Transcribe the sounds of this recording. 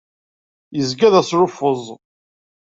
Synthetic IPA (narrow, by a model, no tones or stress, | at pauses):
jəzɡæðæsɾʊfəzˤ